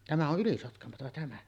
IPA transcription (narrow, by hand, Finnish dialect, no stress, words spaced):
tæmæ oʔ ʔylisotkɑmotɑ tæmæ